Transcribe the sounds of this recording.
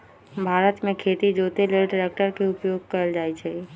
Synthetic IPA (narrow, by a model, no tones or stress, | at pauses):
bʱaːɾət̪mẽkʰeːt̪id͡ʒoːt̪eleːlɖɾek̚ʈəɾkeʊpjoːɡ̚kəɾəld͡ʒaːit͡ʃʰɛ